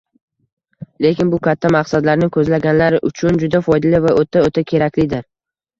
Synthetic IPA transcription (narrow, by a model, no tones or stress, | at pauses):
le̞kʲɪnbʊkʲʰat̪ʰːamaqsad̪laɾnɪŋkʰɵzlaɡʲanlaɾɪʔʊt͡ʃʰʊnd͡ʒʊd̪afɒjd̪alɪvaʔot̪ʰaot̪ʰakʲʰe̞ɾakʲlɪd̪ɪɾ